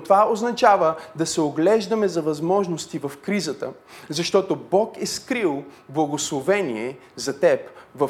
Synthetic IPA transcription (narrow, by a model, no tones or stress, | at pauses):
t̪ovaoznɐt͡ʃavəd̪ɐsɛoɡlɛʒd̪ɐmɛzɐvɐzmɔʒnost̪ivɐfkɾizət̪ə | zɐʃt̪ɔt̪obɔkɛskɾilˠblˠɐɡoslˠovɛniɛzɐt̪ɛpvɐ